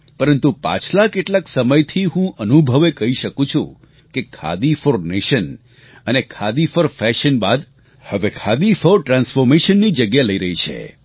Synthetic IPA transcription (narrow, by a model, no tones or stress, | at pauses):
pəɾənt̪upã̰t͡ʃʰlakeʈlaksəməjt̪ʰiɦũʔənubʱəʋekəɦiʃəkũt͡ʃʰṵ̃ | kekʰa̰d̪ifoɾneʃən | ənekʰad̪ifəɾfɛʃənbad̪ | həʋekʰad̪ifoɾʈɾansfɔɾmeʃənːid͡ʒəɡjaləiɾəɦit͡ʃʰḛ